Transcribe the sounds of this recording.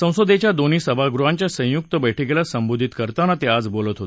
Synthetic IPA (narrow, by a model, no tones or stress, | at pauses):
sə̃w̃sod̪et͡ɕjad̪oniːsəbʱaɡɾuɦãɲt͡ɕjasə̃j̃juk̚t̪əbəjʈʰikelasəmbod̪ʱit̪kəɾt̪anat̪ead͡zbolət̪ɦot̪